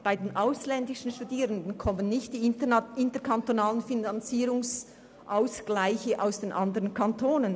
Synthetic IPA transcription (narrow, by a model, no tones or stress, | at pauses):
b̥aɪdeːnʔaʊslɛndɪʃn̩ʃtudiːʁəndn̩kʰɔmənːɪçtd̥iːɪntəkʰantonaːlənfinɑnt͡siːɾʊŋs | ʔaʊsɡ̥laɪçəʔaʊsd̥eːnʔɑndəʁənkʰɑntʰoːnən